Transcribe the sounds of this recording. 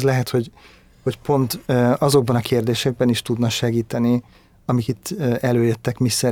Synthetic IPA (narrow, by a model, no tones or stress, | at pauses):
zlɛɦɛt̪ho̞ɟ | ho̞cpo̞nt̪ːɒzo̞ɡ̚bɒnɒkʰeːrd̪eːʃɛɡ̚bɛniʃt̪ud̪nɒʃɛɡiːt̪ɛni | ɒmikit̪ʰːɛløːjøt̪ːɛkmisːɛ